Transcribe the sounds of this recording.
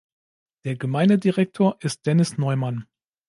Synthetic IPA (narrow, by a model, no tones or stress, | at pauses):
d̥eːɐɡəmaɪndədiʁɛk̚tʰoːɐʔɪst̚d̥ɛnɪsnɔʏman